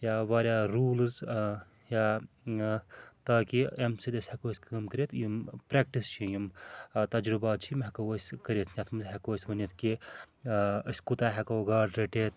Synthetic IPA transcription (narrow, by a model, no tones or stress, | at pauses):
jaːʋaːɾʲjaːɾuːlz | jaː | t̪aːkiemsid̪esʲhekoːsʲkɐmkəɾʲeːt̪ʰjimpɾek̚ʈist͡ʃʰijimt̪ɐd͡ʒɾɨbaːt̪t͡ʃʰimɦɛkɐʋosʲkɐɾʲet̪ʰnʲat̪ʰmɨzɦekoːsʲʋɐnit̪ʰki | əsʲkut̪aːɦekoːɡaːɾɖɾeʈeːt̪